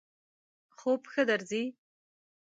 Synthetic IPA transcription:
χoːpxɐdɐrziːj

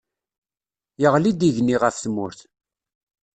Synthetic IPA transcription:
jəʁlid̪iʝniʁəfθmʊɾθ

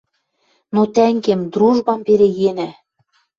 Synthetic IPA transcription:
not̪æŋɡemd̪ɾuʒbɑmbeɾejenæ

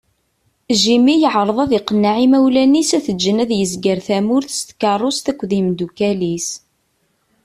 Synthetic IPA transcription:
ʒimijəʕɾˤəðˤɑðɪqənːaʕimæwlænisæθəd͡ʒːənæðjəzɡəɾθæmʊɾθə̥st̪kɑrˤːost̪ækʷːðimd̪ukælis

